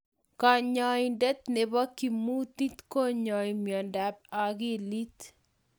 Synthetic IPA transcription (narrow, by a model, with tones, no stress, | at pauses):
ka˨ɲɔ˨indɛ˦t̪ne˨bɔ˦kːi˨mu˦t̪i˦t̪ko˦ɲɔ˨imjɔ˨nda˨p̚a˨ɡi˦li˦t̪